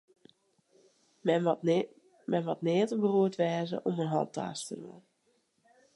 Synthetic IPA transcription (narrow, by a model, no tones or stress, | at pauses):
mɛnʋɔtnɪətəbəruətʋɛːzə̰ʔomənɦɔ̰lˠtʰa̰stəro̰n